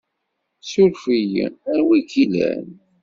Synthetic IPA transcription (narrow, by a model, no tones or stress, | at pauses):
sʊɾfijə̰æɾwikilæ̰n